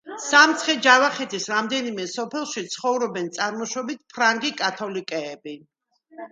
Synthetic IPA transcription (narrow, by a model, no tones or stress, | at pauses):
samt̪sʰχɛd͡ʒavaχɛt̪ʰisɾamd̪ɛnimɛsɔpʰɛlˠʃit̪sʰχɔvɾɔbɛnt̪sʼaɾmɔʃɔbit̪̚ʰpʰɾaŋɡikʼat̪ʰɔlikʼɛːbi